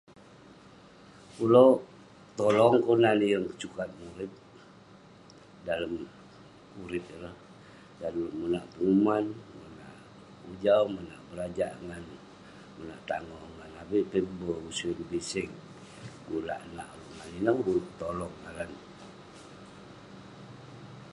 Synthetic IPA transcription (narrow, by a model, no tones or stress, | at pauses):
kulo | t̪olɔŋkonanijəŋkə̥t͡ʃukat̪̚muɾɪt̪̚ | daləm | uɾɪp̪̚iləh | danumunaʔpəumanmuna̰ʔ | ud͡ʒawməna̰ʔbəɾad͡ʒaʔŋan | muna̰ʔt̪aŋɔŋanabiʔt̪əbəusuinbisɪŋ | kula̰ʔna̰ʔuluaninəhut̪olɔŋalan